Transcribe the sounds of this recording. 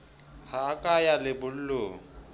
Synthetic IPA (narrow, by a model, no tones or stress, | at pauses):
haːkʼajalɪbʊl̩loːŋ̩